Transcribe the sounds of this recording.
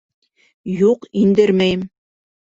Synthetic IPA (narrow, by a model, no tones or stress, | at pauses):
juqind̪ɘɾmæjɘm